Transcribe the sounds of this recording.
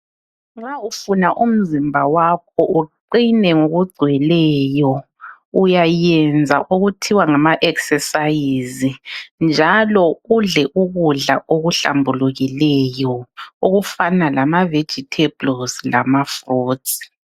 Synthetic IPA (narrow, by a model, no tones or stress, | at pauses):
ŋ͡ǁaufunaʔum̩zimbʱawak̚ʰɔʔuǃinɛŋoɣuɡ͡ǀʱwɛlɛjɔ | ujajɛnd͡zʱaʔuɣutʰiwaŋamaʔɛksɛsajizind͡ʒʱalɔuɮɛʔuɣuɮa̰ʔoɣuɬa̰mbʱuluɣilɛjɔuɣufanalamave̥d͡ʒʱitʰeblɔslamafroːdsi̥